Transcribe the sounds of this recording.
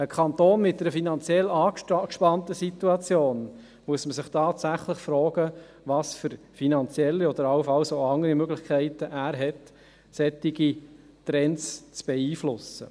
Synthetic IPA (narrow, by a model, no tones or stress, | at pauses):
əkʰɑnt̪oːnmɪt̚dɛɾəfinɑnt͡sjɛlːɑːkkʃpɑntəsituɑt͡sjoːn | muəsməsɪχtʰɑːtsæχləχfɾɔːɡ̥ə | vɑsfʏɾ | finɑnt͡sjɛlːiɔd̪əɾɑləfɑlsoɑŋəɾimøɡlɪχkʰɛɪtəʔæːɾɦɛt | sɛtːiɡi | t̪ɾɛnt͡st͡sb̥ɛiːflʊsə̰